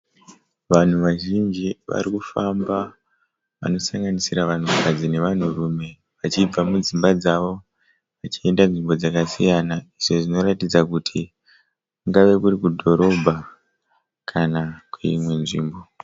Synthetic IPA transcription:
ʋan̤uʋaʒind͡ʒiʋa̰rikufamba | ʋa̰no̞saŋɡanisiɾaʋan̤ukʰad͡zine̞ʋan̤urume̞ | ʋat͡ʃib͡vamud͡zimbad͡zaʋo̞ | ʋat͡ʃie̞ndanʐimbo̞d͡zakasijanaiʐo̞ʐino̞ɾatid͡zakutʰi | kuŋɡaʋe̞kuɾikudʱo̞ɾo̞bʱa | kʰanakweimwe̞nʐiːmbo̞

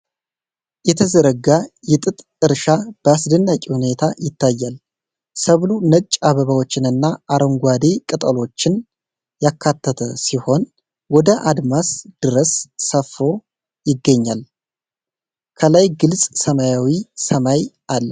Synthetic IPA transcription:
jɛt̪ʰəzəɾəɡajɪt̪ʼɨt̪ʼ | ɨɾʃab̥əasd̪ənːakʼihune̞t̪ʰajɪt̪ʰːajːal | səβlunət͡ʃʼːaβəβawot͡ʃːɪnɨnːaʔaɾoŋɡʷwad̪ekʼɨt̪ʼəlo̞t͡ʃːɪn | jakʰːat̪ʰːət̪ʰəsiho̞n | wɔd̪əʔad̪masd̪̥ɨɾəsːəfːo̞ | jɪɡːəɲːal | kʰəlajɡɨlsʼsəmajawisəmajʔalːə

